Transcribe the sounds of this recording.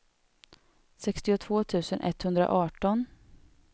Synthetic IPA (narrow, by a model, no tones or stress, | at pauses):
sɛkst̪ɪʊt̪ʰv̥oːt̪ʰʉ̟ːsənʔɛ̰t̪ːhɵnd̪ɾa̰ʔɑːʈɔn